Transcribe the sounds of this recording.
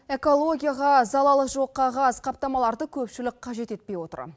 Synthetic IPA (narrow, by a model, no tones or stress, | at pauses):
e̞ko̞lˠo̞ɡʲijaʁɑzɑlˠɑlˠəʒo̞qːɑʁɑsqʰɑp̚t̪ɑmɑlˠɑɾd̪əkʲʰɵpʃɪlɪk̚qʰɑʒe̞t̪e̞t̪̚pe̞jwo̞t̪ə̰ɾ̰